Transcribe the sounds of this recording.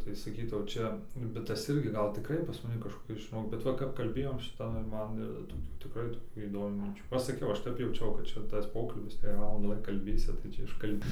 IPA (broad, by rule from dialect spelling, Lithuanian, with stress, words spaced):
tɐɪ sɐˈkʲiːtɐʊ ˈt͡ʃʲɛ bʲɛt ˈtɐs ˈɪrʲɡʲɪ ˈɡɐlˠ tʲɪˈkrɐɪ pɐs mɐˈnʲɪ kɐʃkoːˈkʲɪs ʒʲɪˈnoːk bʲɛt ˈʋɐ kɐp kɐlʲˈbʲeːjoːm ˈʃʲɪtɐ ɪr ˈmɐn toːˈkʲuː tʲɪˈkrɐɪ toːˈkʲuː iːdoːˈmʲuː mʲɪnʲˈt͡ʃʲuː ˈɐʃ sɐˈkʲɛʊ ˈɐʃ ˈtʲɛp jɛʊˈt͡ʃʲɛʊ kɐt ˈt͡ʃʲɛ tɐs ˈpoːkɐlʲbʲɪs tɐɪ jɛɪ ˈʋɑːlˠɐndɑː ˈʋɐ kɐlʲˈbʲeːsʲɪ tɐɪ ˈt͡ʃʲɛ ɪʃkɐlʲˈbʲɪ